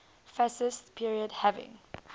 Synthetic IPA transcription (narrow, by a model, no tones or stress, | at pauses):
fɛsɪstpʰiɹiədhɛvɪ̰̃ŋ